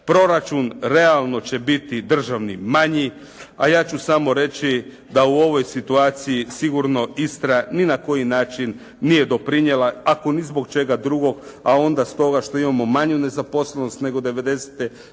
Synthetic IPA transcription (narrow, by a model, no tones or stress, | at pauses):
pɾo̞ɾat͡ʃunɾe̞alˠno̞t͡ɕe̞bit̪id̪r̩ʒaʋnimaɲi | ajaːt͡ʃusamo̞ɾe̞t͡ɕi | d̪auo̞ʋo̞jsit̪uaːt̪sijisiɡuɾno̞ist̪ɾaninako̞jinaːt͡ʃinː | ije̞d̪o̞pɾiɲjelaako̞nizbo̞kt͡ʃe̞ɡad̪ɾuɡo̞ɡao̞nd̪ast̪o̞ɡaʃt̪o̞imamo̞maɲune̞zapo̞sleno̞st̪ne̞ɡo̞d̪e̞ʋe̞d̪e̞se̥t̪e